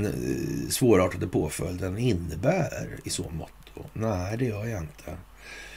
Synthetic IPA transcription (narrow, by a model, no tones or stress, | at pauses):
nsvoːɾɑːʈad̪əpʰoːfœld̪ənɪnːəbæːɾɪsɔ̰nmɔ̰t̪ʰːʊ̰næd̪ɛjœːjaɪnt̪ʰə